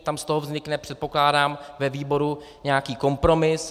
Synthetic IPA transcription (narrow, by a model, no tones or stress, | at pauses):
t̪amst̪o̞ɦovzɲɪknɛpr̝̥ɛt̪̚po̞klaːdaːmvɛviːbo̞ɾu | ɲɛakiːko̞mpɾo̞mɪs